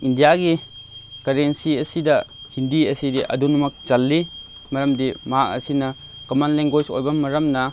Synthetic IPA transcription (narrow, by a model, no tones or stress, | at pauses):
ʔindijaɡikɐɾensiɐsidahindiɐsidiʔɐ̰dunumɐk̚t͡ʃɐlːi | mɐɾɐmdimaʔɐ̰sinɐkɐmɐnlɛŋɡɔjsɔ̰jbɐmɐɾɐmnɐ